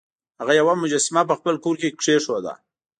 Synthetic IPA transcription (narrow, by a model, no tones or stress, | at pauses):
haɣajawamʊd͡ʒasɪmap̬əxpəlkoɾkekʂeʂwad̪a̰